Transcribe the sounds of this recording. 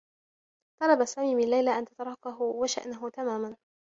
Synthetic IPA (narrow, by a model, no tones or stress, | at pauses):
t̪ˤɑlɑbasaːmiːmɪnlajlaʔant̪at̪ɑɾˤɑːkaɦʊwaʃa̰ʔnaɦʊt̪amaːman